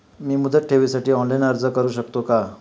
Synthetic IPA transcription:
miːmud̪ʱət̪̚ʈʰeʋisaʈiːɔnlainəɾd͡zəkəɾuːɕək̚t̪oka

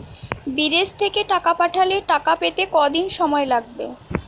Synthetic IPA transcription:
bid̪est̪ʰekeʈakapaʈʰaleʈakapet̪ekɔd̪inʃɔmɔelaɡ̚be

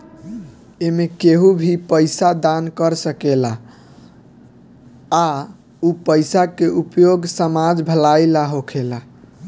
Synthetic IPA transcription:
emekeɦubʱipəjsad̪ankəɾsəkela | upəjsakeʔupjoɡsəmad͡ʒbʱəlajlaɦokʰela

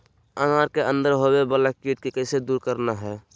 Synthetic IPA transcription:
əŋaːɾkeə̃nd̪əɾɦobebələkkiʈ̚kikəɪsed̪uːɾkəɾnaɦɛː

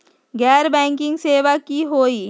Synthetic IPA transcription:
ɡɛɾbɛŋkiŋseːʋakiɦoi

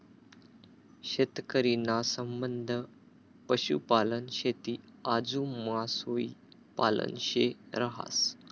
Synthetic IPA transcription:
ɕet̪kəɾinasəmbənd̪ʱə | pəɕṵpalənɕet̪iːad͡zumasoi | pa̰lə̰nɕeɾəɦa̰s

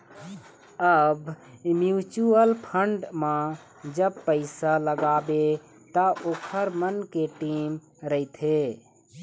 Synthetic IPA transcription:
əbmjut͡ʃuəlpʰəɳɖmã | d͡ʒəb̚pəɪsaləɡabe | t̪əʔoːkʰəɾmənkeʈim | ɾəɪt̪ʰe

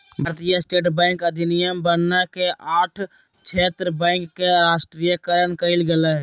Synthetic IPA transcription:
bʱəɾt̪ijasʈeːʈbɛ̃ːŋkəd̪ʱɪnɪjəmbənːakeʔaːʈʰ | t͡ʃʰeːt̪ɾəbɛ̃ɪŋkːeɾaːʃʈɾijəkəɾənkəɪlɡəlaɦ

